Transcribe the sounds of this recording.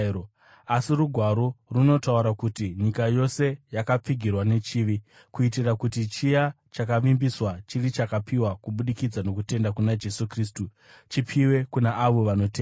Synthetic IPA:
asiruɡʱwaɾo̞runo̞tauɾakutiɲikajo̞se̞jakap͡fiɡʱirwane̞t͡ʃiːʋi | kuitirakutit͡ʃija | t͡ʃakaʋimbiswat͡ʃirit͡ʃakapʰiwakuɓuɗikid͡zano̞kute̞ndakunad͡ʒe̞sukris̬tu | t͡ʃipʰiwe̞kunaʔaʋo̞ʋano̞teːa

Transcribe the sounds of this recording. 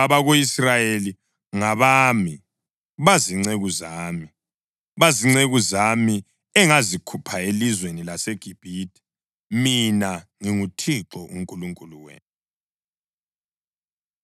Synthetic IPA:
aβaɣoisrajeli | ŋaβaːmi | βaziŋ͡ǀeɣuzaːmi | βaziŋ͡ǀeɣuzami | ɛŋazikʰupʰaelizwenilaseɡ̥ʱib̥ʱiːdʰʱʼi̥ | minaŋiŋutʰiǁɔʔuŋkʼuluŋkʼuluwḛːnu

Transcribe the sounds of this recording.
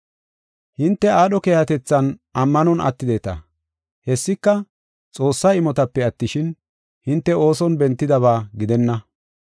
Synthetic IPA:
hɪnt̪ːɛaːɗɔkeːhɐt̪ɛt͡sːɐnɐmːɐnɔnʔɐ̰t̪ːɪd̪e̞ːt̪ɐ̰ | hɛsːɪkːɐ | t͡sʼo̞ːsːɐɪmɔt̪ɐpːɛɐt̪ːɪʃɪn | hɪnt̪ːɛo̞ːsɔnbɛnt̪ːɪd̪ɐβaːɡɪd̪ɛnːɐ

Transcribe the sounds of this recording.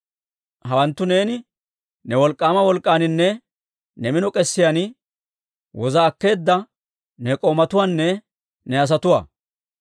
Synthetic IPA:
hɐwɐnt̪ːʊne̞ːnɪ | nɛwɔlkʼːaːmɐwɔlkʼːaːnɪnːɛ | nɛmɪnɔkʼɛsːɪjanɪ | wɔzɐːkːe̞ːd̪ːɐ | nɛkʼoːmɐt̪ʊwaːnːɛ | nɛɐs̬ɐt̪ʊwa̰ː

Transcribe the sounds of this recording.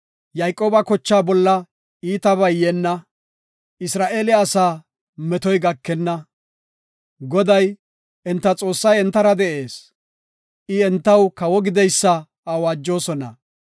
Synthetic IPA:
jɐjkʼoːbɐkɔt͡ʃːaːbɔlːɐ | iːt̪ɐβɐjjɛnːɐ | ɪsɾaːʔeːlɛɐsaː | mɛt̪ɔjɡɐkːɛnːɐ | ɡɔd̪ɐj | ɛnt̪ːɐt͡sʼo̞ːsːɐjɛnt̪ːɐɾɐd̪ɛʔe̞ːs | ʔɪɛnt̪ːɐwkɐwɔɡɪd̪ɛjsːɐ | awaːd͡ʒːo̞ːsɔnɐ̰

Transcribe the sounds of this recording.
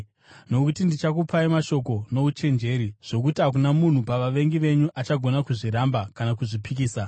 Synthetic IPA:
no̞kutindit͡ʃakupaimaʃo̞ko̞no̞ut͡ʃe̞nd͡ʒe̞ɾiʐ̥o̞k̬utiɦakunamun̤upaʋaʋe̞ŋɡiʋe̞ɲuʔat͡ʃaɡʱo̞nakuʐiɾambakanakuʐipikiːsa

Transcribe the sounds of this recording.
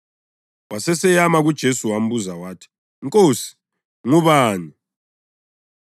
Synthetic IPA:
wasɛsɛjamaɣud̥ʒ̥ʱesuwam̩buzawaːtʰi̥ | ŋkʼoːsi̥ | ŋuβaːni

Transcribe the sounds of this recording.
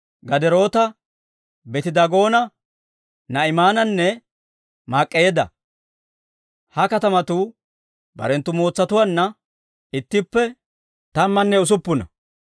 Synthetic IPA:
ɡɐd̪ɛɾo̞ːt̪ɐ | bɛt̪ɪd̪ɐɡo̞ːnɐ | nɐɪmaːnɐnːɛ | maːkʼːejeːd̪ɐ̰ | hɐkɐt̪ɐmɐt̪u | bɐ̰ɾɛnt̪ːʊmo̞ːt͡sːɐt̪ʊwɐnːɐ | ɪt̪ːɪpːɛ | t̪ɐmːɐnːɛʊs̬ʊpːʊnɐ̰

